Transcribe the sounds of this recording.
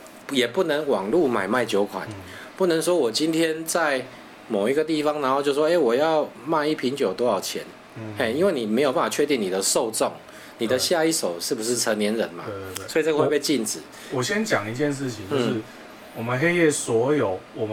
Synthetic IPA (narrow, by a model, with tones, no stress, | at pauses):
jɛ˨˩pu˥˩nə˧˦ŋwɑ˨˩ŋlu˥˨ma˨˩ɪma˥˩ɪt͡ɕjo˧˥ʊkʰwa̰˨˩n | pu˥˩nə˧˦ŋs̬wɔ˥wɔ˨˩t͡ɕi˦nt̪ʰjɛ˦˥nt͡sa˥˩ɪ | mo˨˩ʊi˦˥ɡə˧t̪i˥˩fɑ˧˦ŋna˧˦nxo˥˧t͡ɕjo˥˧ʊ˩ʂwɔ˥˧e˥˩ɪwɔ˨˩jɑ˥˧ʊma˥˧ɪi˥˩pʰi˧˦nt͡ɕjo˨˩ʊt̪o˥˦jɑ˨˩ʊt͡ɕʰjɛ̰˧˦n | e˥˩ɪi˥˦nwe˥˩ɪni˨˩me˧˥jo˨˩p̬a˥˩fa˨˩t͡ɕʰɥɛ˥˧t̪i˥˩ŋni˨˩d̪ə˦so˥˧ʊt͡sɔ˥˨˩ŋ | ni˨d̪ə˦ɕja˥˧i˥˩ʂo˨˩ʊʂɻ̩˥˩bu˨˩ʂɻ̩˥˩t͡sʰə˧˦nnjɛ˧˦nɻə˨˦nma̰˨swɔ˧˥i˨˩t͡sə˧we˥˧pe˥˧ɪt͡ɕi˥˨˩nt͡sɻ̩˨˩˦ | wɔ˨˩ɕjɛ˦nt͡ɕjɑ˨˩ŋi˧˦t͡ɕjɛ˥˧nʂ̬ɻ̩˥˨t͡ɕʰi˨ŋt͡ɕ̩˥˧ʊ˥˩ʂ̩˥˩ | wɔ˨˩mə˨nxe˥ɪjɛ˥˩swɔ˧˥jo˨˩ʊwɔ˨˩m